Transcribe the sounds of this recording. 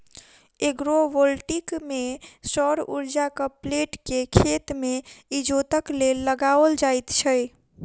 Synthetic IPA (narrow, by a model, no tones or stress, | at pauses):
eɡɾobolʈikmesɔɾṵɾd͡ʒakəpleʈkekʰet̪meid͡ʒot̪əklelːəɡaəld͡ʒajt̪t͡ʃʰəj